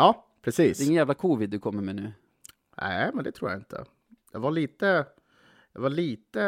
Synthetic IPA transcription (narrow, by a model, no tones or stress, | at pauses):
jɑːpʰɾɛsiːsɛɪŋːənæːvlakʰuːvɪd̪̚ːɵkʰɔmːəɾmɛnʉ̟ː | nʔæ̰ɪmɛnd̪ɛt̪ʰɾuːɾja̰ɪnt̪ʰə̰ | jɑ̰ɡvaɭiːt̪ə | jɑ̰ɡvaɭiːt̪ə